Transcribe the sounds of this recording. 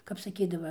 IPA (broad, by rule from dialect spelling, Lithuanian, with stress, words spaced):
kɐp sɐˈkʲiːdɐʋɐ